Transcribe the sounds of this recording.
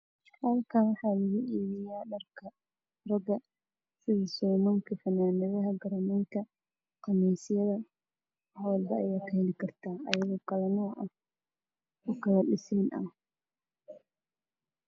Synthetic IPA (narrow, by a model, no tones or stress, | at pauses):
hɐlkʰɐnwɑħɑːlɐɣuʔiːβɪjaːɖɐrkʰɐ | rɐɡɐ | sɪðɐsɔːmɐŋkʰɐfɐnaːnɪðɐɦɐɡɐɾɐmɛŋkʰɐ | qɑmɛjsɪjɐðɐ | hwɐlbɐɐjaːkʰɐhɛlɪkʰɐrt̪ʰaːʔɐjɐɣɔːkʰɐlɐnɔːʔɐ | ʊkʰɐlɐɗɪsɛːnʔɐ̰